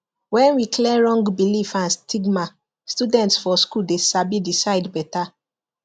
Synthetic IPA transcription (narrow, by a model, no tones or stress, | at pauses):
wɛ̃nwikʰlɛɹɔ̃ŋɡbilifãnstiɡma | studɛ̃ntsfɔskuldesabidisaɪdbɛta